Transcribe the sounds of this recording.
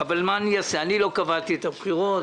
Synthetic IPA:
avalmaːnijaseanilo̞kavalt̪iet̪abχiʁot

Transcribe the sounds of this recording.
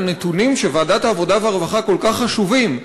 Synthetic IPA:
net̪unimʃe̞vaːdat̪haːvo̞daveaʁevaχako̞lkaχːaʃuvim

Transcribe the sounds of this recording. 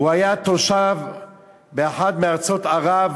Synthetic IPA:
uhajat̪oʃav | beeħad̪meaʁt͡sot̪aʁav

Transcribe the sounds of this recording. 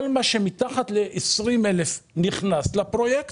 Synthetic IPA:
lmaʃemitaχat̪leʔesʁimelefniχnaslapʁo̞jekt

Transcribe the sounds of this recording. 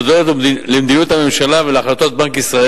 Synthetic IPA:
od̪ellemd̪inut̪hame̞mʃalaveleaχlat̪o̞t̪̚bankisʁae

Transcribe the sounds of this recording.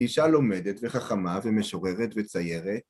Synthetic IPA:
iʃalo̞medetveχaχamaveme̞ʃo̞ʁeʁetvet͡sajeʁet̚

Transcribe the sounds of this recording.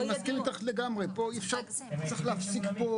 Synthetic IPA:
maskiʁit̪aχleɡamʁepo̞ifʃaʁ | t͡seχleafsikpo

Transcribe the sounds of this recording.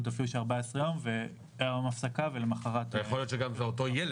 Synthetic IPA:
t̪afiluʃeaʁbaesʁejo̞mve | amafsakavelemaχaʁat̪jeolijotʃeɡamzeoto̞jel

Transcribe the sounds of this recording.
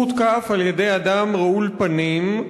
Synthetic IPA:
ut̪kaːfaljed̪ejad̪amʁaulpanim

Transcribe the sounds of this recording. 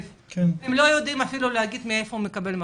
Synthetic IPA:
kenemlo̞jo̞d̪imafiluleaɡid̪meefoume̞kabe̞lma

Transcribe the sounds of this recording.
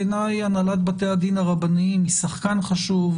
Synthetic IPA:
enajanalat̪̚bat̪ead̪inaʁabanimisaχkanχaʃuv

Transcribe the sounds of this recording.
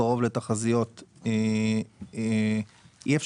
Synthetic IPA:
aʁo̞vlet̪aχazijo̞t̪e | ief

